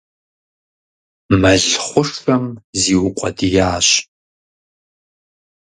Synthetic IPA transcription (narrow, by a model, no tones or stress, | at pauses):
mɐɮχʷʊʂxɐmziːwʊqʷʼɔdijaːɕ